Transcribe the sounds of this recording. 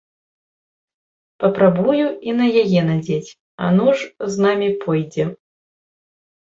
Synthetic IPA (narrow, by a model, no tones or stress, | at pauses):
pɐpɾabujuinɐjajɛnad͡zʲet͡sʲ | ɐ̰nuʐznamʲipʰɔjd͡zʲɛ